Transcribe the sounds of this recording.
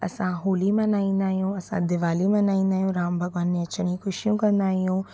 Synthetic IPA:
ɐ̰sãɦoːlimɐ̃naːĩnd̪aːjũɐsã̰d̪ɪʋaːlimɐ̃naːĩnd̪aːjũɾaːmbʱɐɡʋaːnːẽɐt͡ʃɽ̃ĩkʰʊʃijũkɐnd̪aːɦiũː

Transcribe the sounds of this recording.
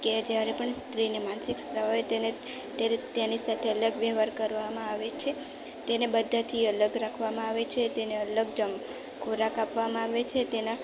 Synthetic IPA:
ked͡ʒjaɾepəɳst̪ɾinemansɪksɾəʋaet̪ene | t̪t̪anisat̪ʰeələɡʋəɦʋaɾkəɾʋamãaʋet͡ʃʰe | t̪enebəd̪ʱat̪ʰiələɡɾakʰʋamãaʋet͡ʃʰet̪eneələɡ̚d͡ʒəm | kʰoɾakapʋamãaʋet͡ʃʰet̪ena

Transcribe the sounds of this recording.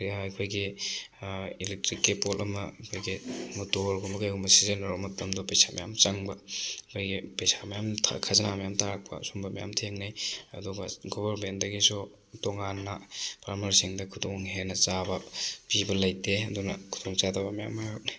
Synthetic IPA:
ɐjkʰojɡi | ilek̚tɾikːipolʔɐmɐkʰojɡimutoɾɡumɐkajumɐsizenɐɾɔmɐtːɐmdɔpejsamɐjamt͡ʃaŋbɐkʰojɡipejsamɐjamtʰa̰kʰazɐnamɐjamtʰaɾak̚pʰɐ̰sumbɐmɐja̰mtʰeŋnijɐ̰duɡɐɡɔbɐɾmentdɐɡisu | tɔŋanːɐpɾamɐɾisiŋdɐkʰudoŋɦenɐt͡ʃabɐpibɐlɐjteɐdunɐkʰu̥d̥oŋt͡ʃatabɐmɐja̰mːajɾut̚ni

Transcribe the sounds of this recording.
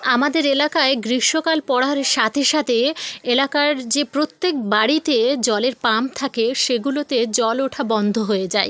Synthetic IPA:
amad̪eɾelakaeɡɾiʃokalpɔɽaɾeʃat̪ʰeʃat̪ʰeelakaɾd͡ʑepɾot̪ːek̚baɽit̪ed͡ʑɔleɾpamt̪ʰakeʃeɡulot̪ed͡ʑɔloʈʰabɔnd̪ʱoɦoed͡ʑae

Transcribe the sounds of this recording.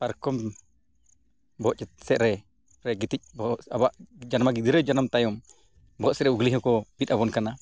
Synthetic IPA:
paɾkɔm | bɔʔt͡ʃɛt̪̚sɛʔɾɛ | ɾɛɡit̪ic̚bɔabaʔd͡ʒanmaɡid̪iɾɛd͡ʒanamt̪ajɔm | bɔʔsɛɾɛuɡliɦɔkɔpit̪̚abɔnkana

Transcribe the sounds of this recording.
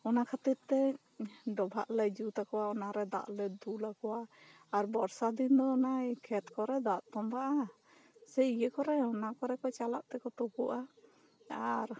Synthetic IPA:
ɔnakʰat̪it̪ːɛ | ɖɔbʱa̰ʔləjd͡ʒut̪akɔwaɔnaɾɛd̪a̰ʔlɛd̪ulakɔwaː | ɾbɔɾsad̪ind̪ɔːnajkʰɛt̪kɔɾɛd̪aʔt̪ɔmbaʔa | sɛijəkɔɾɛɔnakɔɾɛkɔt͡ʃalaʔt̪ɛkɔt̪ɔkuʔa | aɾ

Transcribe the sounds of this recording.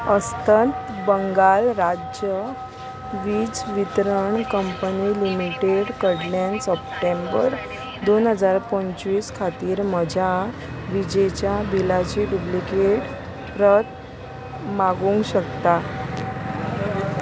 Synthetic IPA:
əst̪ʰənt̪ | bəŋɡalɾad͡ʑjə | ʋiːd͡zʋit̪ɾəɳkəmpənilimiʈeɽkəɽljansəp̚ʈembəɾ | d̪onɦəd͡zaɾpəɲt͡ɕʋiːskʰat̪iːɾməd͡ʑʱa | ʋid͡ʑet͡ɕjabilad͡ʑiːpublikeʈ | pɾət̪ | maɡũŋɡɕəkt̪a

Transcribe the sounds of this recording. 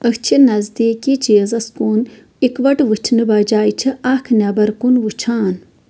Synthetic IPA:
əkt͡ʃʰinɐzd̪iːkit͡ʃeːzɐskuːn | ikʋɐʈʋɨt͡ʃʰnɨbaːd͡ʒaːjt͡ʃʰiʔakʰnʲɐbɐɾkunʋut͡ʃʰaːn

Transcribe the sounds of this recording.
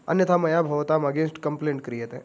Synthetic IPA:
ə̰njət̪ʰamɐjabʱɐʋt̪aməɡẽnsʈkəmplẽːɳʈ̚kəɾiɦet̪ẽ

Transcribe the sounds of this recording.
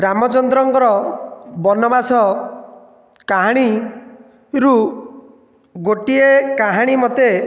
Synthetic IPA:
ɾamɔt͡ʃɔnd̪ɾɔŋkɔɾɔbɔnɔbasɔ | kaɦaɽ̃i | ɾu | ɡoʈiekaɦaɽ̃imɔt̪e

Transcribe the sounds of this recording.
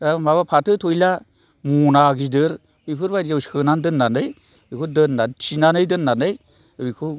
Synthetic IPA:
amaβapʰatʰɯtʰojla | munaɡidɯɾ | bipʰɯɾbaawskənandɯnːanɯj | bikʰodənːatʰinanɯjdənːanɯj | bikʰo

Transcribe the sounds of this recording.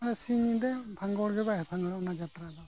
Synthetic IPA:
aɾɛsiɲid̪ɛpʰaŋɡɔɽɡɛbaɦɛpʰaŋɡɽanad͡ʒat̪ɾad̪ɔ

